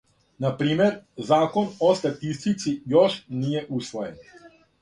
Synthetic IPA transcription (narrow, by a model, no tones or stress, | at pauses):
napɾiːmɛɾzaːkɔnɔst̪at̪ist̪it̪sijɔʃnijɛʔuːsʋɔjɛ̰n